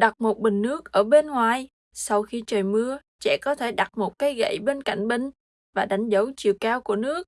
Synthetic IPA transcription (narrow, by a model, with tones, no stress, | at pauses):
ɗa˨˩t̚mo˨˩t̚ɓï˨˩ŋ̟nɨ˦˥ək̚ʔəː˧˩ɓe˧nŋwaː˨˩j | sa˧wxi˧t͡ɕəː˨˩jmɨ˧ə | t͡ɕɛ̰˧˥kɔ˨˦t̪ʰe˧˩ɗa˨˩t̚mo˨˩t̚kaː˨˦jɣə̰˧˨jɓe˧nka̰˧˨jŋ̟ɓï˨˩ŋ̟ | vaː˨˩ɗa˨˦jŋ̟zə˨˦wt͡ɕi˨əwkaː˧wku˧˩ənɨ˦˥ək̚